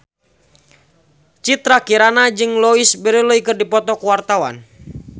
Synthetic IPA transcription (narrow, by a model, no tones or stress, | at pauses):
t͡ʃit̪ɾakiɾanad͡ʒɨŋlɔisbəɾiloikɨrdipɔt̪ɔkuwart̪awa̰n